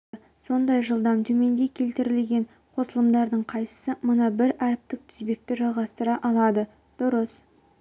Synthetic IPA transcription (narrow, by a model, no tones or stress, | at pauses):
so̞nd̪ɑjʒəlˠd̪ɑmt̪ʰɵme̞nd̪e̞kʲʰe̞lt̪ɪɾɪlɡʲe̞ɴ | qʰo̞səlˠəmd̪ɑɾd̪əɴqʰɑjsə̥səmənɑbɪɾæɾɪp̚t̪ɪk̚t̪ʰɪ̥zbe̞k̚t̪ɪʒɑlˠʁɑst̪əɾɑʔɑlˠɑd̪ə | d̪̥ʊɾəs